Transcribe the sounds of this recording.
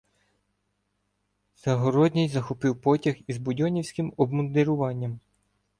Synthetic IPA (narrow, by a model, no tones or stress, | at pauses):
z̥ɐɦɔɾɔd̪ʲnʲijzɐxɔpɪwpɔtʲɐxizbʊdʲɔnʲiwsʲkɪmɔbmɔnd̪eɾʊʋɑnʲːɐm